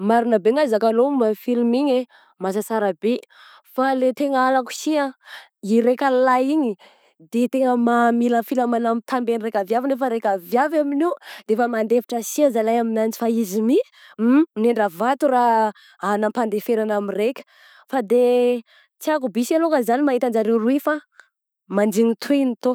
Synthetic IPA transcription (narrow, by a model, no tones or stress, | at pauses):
maɾunabeŋazakalomafilumiɲe | masasaɾabe | falet̪eŋəalaku̥sia | iɾekʲallaiɲi | d̪et̪eŋəmamilafilamanamt̪ʰambeniɾekʲavjavinefəɾekʲavjavaminid̪eefəmand̪efi̥ʈ͡ʂəsiazalajaminant͡si̥faizimi | neɳɖ͡ʐavat̪ura | anampand̪efeɾanamirekʲə̥ | fad̪e | t͡siakubisalokəzanimaɦit̪and͡ʒaɾewɾuifa | mand͡ʒiŋit̪ʰuenit̪o